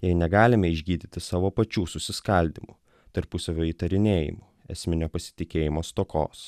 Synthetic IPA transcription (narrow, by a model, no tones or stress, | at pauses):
jɛɪnʲɛɡɑːlʲɪmʲɛɪʒʲɡʲiːd̪ʲɪt̪ʲɪsɑːʋoːpɐt͡ʃʲuːsʊsʲɪskɐlʲd̪ʲimṵ | t̪ɐɾpʊsɐʋʲoːiːt̪ɐɾʲɪnʲeːjɪ̰mu | ɛ̰sʲmʲɪnʲoːpɐsʲɪ̥t̪ʲɪkʲeːjɪmoːst̪oːko̰ːs